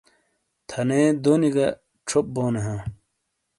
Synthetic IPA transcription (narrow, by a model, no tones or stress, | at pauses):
t̪ʰɐneːd̪oːniɡɐ | ʈ͡ʂʰop̚boːneɦãː